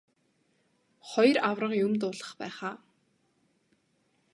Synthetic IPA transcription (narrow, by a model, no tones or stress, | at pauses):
χɔjrawrə̆qjɵmt̪ʊːɮə̆χpæ̰ːχaː